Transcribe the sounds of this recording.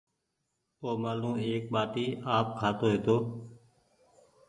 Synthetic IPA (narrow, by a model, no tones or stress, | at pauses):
oːmaːlũːeːk̚ɓaːʈiːaːp̚kʰaːt̪oːɦeːt̪oː